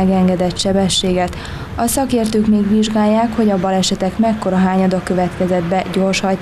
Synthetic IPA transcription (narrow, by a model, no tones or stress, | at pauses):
ɛɡɛŋɡɛd̪ɛt̪ʃɛbɛʃːeːɡɛt̪ | ɒsɒkeːrt̪øːkmeːɡʋiʒɡaːjːaːkho̞ɟɒbɒlɛʃɛt̪ɛkmɛkːo̞ɾɒɦaːɲɒd̪okø̞vɛt̪kɛzɛd̪bɛɟo̞rʃhɒj̪